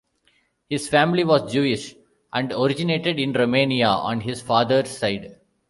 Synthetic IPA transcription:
hɪzfæ̃ːmliʋɔːzd͡ʒuːɪʃ | ʔæ̃ɳɖoɾɪd͡ʒɪneːʈeɖɪ̃nɾomẽːniaɔ̰̃ːnɦɪzfaːd̪əɾsːaɪɖ

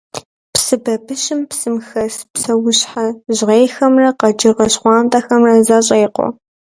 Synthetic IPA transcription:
psɨbɐbɨʃɪmpsɨmxɐspsɐwʊɕħaʑʁeːjxɐmrɐqɐd͡ʒɪʁɐɕχʷɑːntʼɐxɐmrɐzaɕʼeːqʷɔ̰

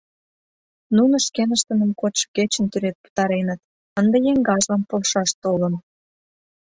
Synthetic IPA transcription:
nunŏʃkenəʃt̪ə̆nə̆mkot͡ɕket͡ɕə̆nt̪yɾet̪̚pu̥t̪ɑɾenət̪̚ | ənd̪ejeŋɡɑʒlɑmpolʃɑʃt̪olən

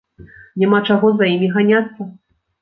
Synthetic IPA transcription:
nʲamat͡ʂaɣɔzajimʲiɣanʲat̪sːɐ

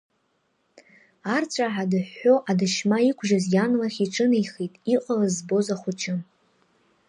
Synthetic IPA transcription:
art͡sʷʰʼaħadɨħːo̞ʔadɨʃmaikʷʰʒazjanlaχʲiʈ͡ʂʼɨnejχitʼiqʼalazbo̞zaχʷʊt͡ʃʰʼɪ

